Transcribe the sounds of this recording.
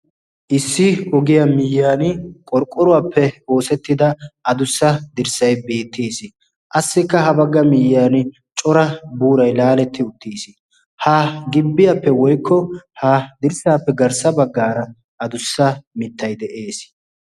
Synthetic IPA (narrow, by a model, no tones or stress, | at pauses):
ʔɪsːɪhɔɡɪjɐmɪjːaːnkʼɔɾkʼːɔɾʊwaːpʰːɛo̞ːsɛt̪ːɪd̪ɐʔɐd̪ʊsːɐd̪ɪɾsɐjbe̞ːt̪ːeːsɪ | ʔɐsːɪkːɐhɐbɐɡːɐmɪjːaːn | t͡ʃʼɔɾɐbuːɾɐjlaːlɛt̪ʰːɪʊt̪ʰːiːsɪ | haɡɪbːɪjɐpːɛwɔjkːɔhad̪ɪɾsaːpːɛɡɐɾsɐbɐɡːaːɾɐ | ʔɐd̪ʊsːɐmɪt̪ʰːɐjd̪ɛʔeːs